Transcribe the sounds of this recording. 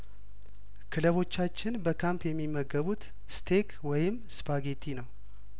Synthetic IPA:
kʰɨləβo̞t͡ʃːat͡ʃːɪnbəkʰampjɛmːimːəɡəβut̪ | st̪ʰe̞kʰ | wɔjɪmspʰaɡe̞t̪ʰinəw

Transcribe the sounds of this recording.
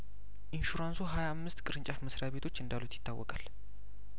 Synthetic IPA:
ʔinʃuɾansuɦajaamːɨst̪kʼɨɾɨɲt͡ʃʼafməsɾaβe̞t̪ʰo̞t͡ʃːɨnd̪alut̪ʰjɪ̥t̪ʰːawːɔkʼal

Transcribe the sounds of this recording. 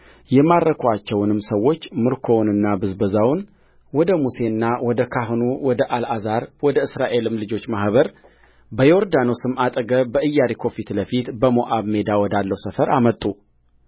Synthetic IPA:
jɛmaɾəkʰat͡ʃːɛwnɨmsəwːo̞t͡ʃːmɨɾkʰo̞nɨnːabɨzbəzawn | wɔd̪əmuse̞nːawɔd̪əkʰaɦnuwɔd̪əʔalʔazaɾwɔd̪əɨsɾaʔe̞lɨmlɨd͡ʒo̞t͡ʃːmahβəɾ | bəjoɾd̪ano̞sɨmːat̪ʼəɡəbəɨjːaɾikʰo̞fit̪ləfit̪bəmoʔaβme̞d̪awɔd̪alːəwsəfəɾamət̪ʼːu

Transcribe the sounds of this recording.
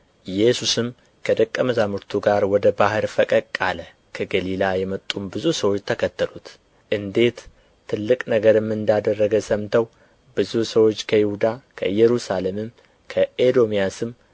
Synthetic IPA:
jɛsusɨm | kʰəd̪əkʼːəməzamɨɾt̪ʰuɡaɾwɔd̪əbahɨɾfəkʼəkʼːalə | kʰəɡəlilajɛmət̪ʼːumbɨzusəwo̞t͡ʃːt̪ʰəkʰət̪ʰːəlut̪ | ʔɨnd̪e̞t̪ʰː | ɨlːɨkʼnəɡəɾɨmːɨnd̪ad̪ərːəɡəsəmt̪ʰəw | bɨzusəwo̞t͡ʃːkʰəjɪhud̪akʰəɨjːɛɾusale̞mɨm | kʰəʔed̪o̞mijasɨm

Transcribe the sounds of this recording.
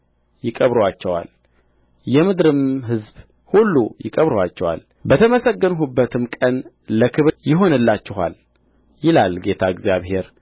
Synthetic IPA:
jɪkʼəβɾwat͡ʃːɛwa̰l | jɛmɨd̪ɾɨmɦɨzb | hulːujɪkʼəβɾwat͡ʃːɛwa̰l | bət̪ʰəməsəɡːənɦubːət̪ʰɨmkʼən | ləkʰɨβjɪɦo̞nɨlːat͡ʃːɪɦa̰l | jɪlalɡe̞t̪ʰaɪɡzjaβhe̞ɾ

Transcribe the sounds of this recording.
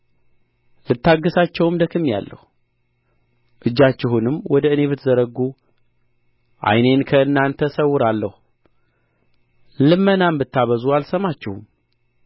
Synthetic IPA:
lɨt̪ːaɡːəsat͡ʃːɛwɨmd̪əkʰɨmːja̰lːə̰hu | ʔɨd͡ʒːat͡ʃːɪhunɨmːwɔd̪əɨne̞βɨt̪ʰzəɾəɡːu | ʔa̰jne̞nkʰəɨnːant̪ʰəsəwːʊɾalːəhu | lɨmːənambɨt̪ʰːaβəzualsəmat͡ʃːɪhum

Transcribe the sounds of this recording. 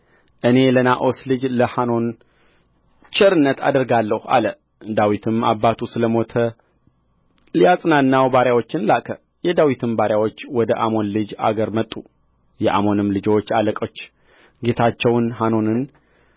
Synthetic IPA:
ʔɨne̞lənaʔo̞slɨd͡ʒləhano̞n | t͡ʃʼɛɾɨnːət̪ʰa̰d̪əɾɡalːəha̰lə | d̪awit̪ʰɨma̰bːat̪ʰusɨləmo̞t̪ʰə | lijasʼnanːawbaɾjawo̞t͡ʃːɪnlakʼʰə | jɛd̪awit̪ʰɨmbaɾjawo̞t͡ʃːwɔd̪əʔamo̞nlɨd͡ʒa̰ɡəɾmət̪ʼːu | jɛʔa̰mo̞nɨmlɨd͡ʒwot͡ʃːaləkʼo̞t͡ʃː | ɡe̞t̪ʰat͡ʃːɛwnɦano̞nɨn

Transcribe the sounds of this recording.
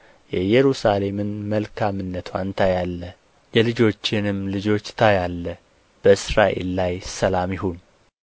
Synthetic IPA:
jɛjɛɾusale̞mɨnməlkʰamɨnːət̪ʰwa̰nt̪ʰajalːə | jɛlɨd͡ʒo̞t͡ʃːɪnɨmlɨd͡ʒo̞t͡ʃːt̪ʰajalːə | b̥əɨsɾaʔe̞̰lːajsəlamjɪhun

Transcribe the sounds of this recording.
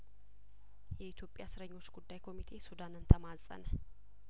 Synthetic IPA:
jɛit̪ʰjo̞pʼːjasɨɾəɲːo̞t͡ʃːɡud̪ːajkʰo̞mit̪ʰe̞sud̪anɨnt̪ʰəmasʼə̰nə

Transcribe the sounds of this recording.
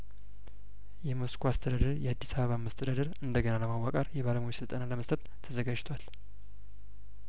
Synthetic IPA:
jɛmoskʰoast̪ʰəd̪ad̪ɨɾjɛad̪ːisaβəβamːast̪ʰəd̪ad̪ɨɾɨnd̪əɡənaləmawakʼaɾjɛβaləmujisɨlt̪ʼənaləməst̪ʰʼət̪t̪ʰːəzəɡad͡ʒt̪ʰwal

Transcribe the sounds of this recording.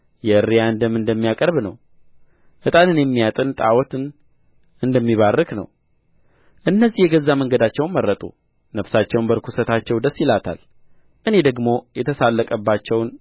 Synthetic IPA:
jɛɨrːijaɨnd̪əmɨnd̪əmːijakʼəɾβnəw | ʔɨt̪ʼanɨnjɛmːijat̪ʼɨnt̪ʼawɔt̪ɨn | ʔɨnd̪əmːiβarːɨknə̰w | ʔɨnːəzːihjɛɡəzːaməŋɡəd̪at͡ʃːɛwnmərːət̪ʼṵ | nəfsat͡ʃːɛwnbəɾkʰusət̪ʰat͡ʃːɛwd̪əsːɪlat̪ʰa̰l | ʔɨne̞d̪əɡmo̞jɛt̪ʰəsalːəkʼəbːat͡ʃːɛwn

